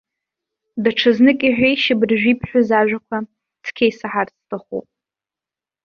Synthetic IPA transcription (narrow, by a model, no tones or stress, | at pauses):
daʈ͡ʂʰɨznɨkʲʼiħʷᶣejʃɪbrʒᶣʷipʰħʷᶣʊzaʒᶣʷakʷʰa | tʰkʲʰejsaħart͡sʰtʰʼaχṵpʼ